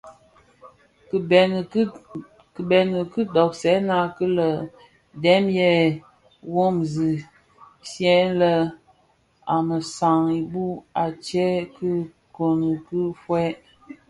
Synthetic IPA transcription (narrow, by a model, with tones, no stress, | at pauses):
ɛ˨n˨˦ | kə˨bɛ˨nə˨kɨ˦dɔ˨k̚sɛ˨˦na˦kə˦lə˨ | dɛ˦mjɛ˦ | wo˦mzi˨ | sjɛ˦lə˦ | a˨mə˨sa˨ŋi˨bu˦a˨t͡ʃɛ˦kə˦ | ko˨nə˨kə˦fwɛ˦